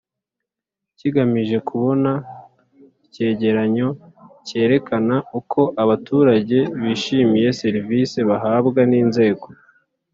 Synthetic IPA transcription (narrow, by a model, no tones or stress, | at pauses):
ciɡamiʒe̞kʰuβo̞na | ce̞ːɟe̞ɾaɲo̞ | ce̞ːɾe̞kanaukʰo̞ʔaβatuːɾaɟe̞βiːʃimije̞se̞ɾivise̞βaɦaːbɡaniːnze̞ːɡo̞